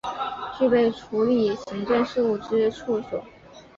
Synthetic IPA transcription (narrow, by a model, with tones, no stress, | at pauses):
t͡ɕy˥˧pe˥˩ɪʈ͡ʂʰu˧˥li˨˩ɕi˧˥ŋt͡ɕɥɛ˥˧nʂɻ̩˥˧u˥˩ʈ͡ʂɻ̩˥ʈ͡ʂʰu˥˩swɔ̰˨˩˦